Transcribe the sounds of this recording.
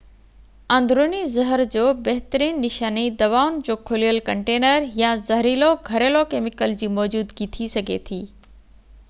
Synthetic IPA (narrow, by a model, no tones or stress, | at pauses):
ɐ̃ːnd̪ɾoːnizɐɦəɾd͡ʑoːbɐɦɪt̪əɾiːnːɪʃaːnid̪ɐʋaːʊnd͡ʑoːkʰolijəlkɐ̃ɳʈeːnəɾjãzɐɦɾiːloɡʱɐɾelokeːmɪkəld͡ʑiːmɔːd͡ʑuːd̪ɡit̪ʰisɐɡʱḛt̪ʰiː